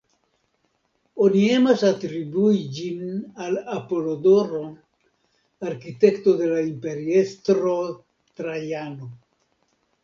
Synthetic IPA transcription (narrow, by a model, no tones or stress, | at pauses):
o̞nie̞masatɾibuid͡ʒinalapo̞lodo̞ɾo̞ | aɾkite̞kto̞de̞laimpe̞ɾie̞stɾo̞ | tɾajano